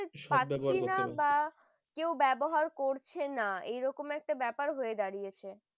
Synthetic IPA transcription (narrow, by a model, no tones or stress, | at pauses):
painaba | kewbɛboɦaɾkoɾt͡ɕʰenaḛjɾɔkomɛk̚ʈabɛpaɾɦoed̪aɾijet͡ɕʰe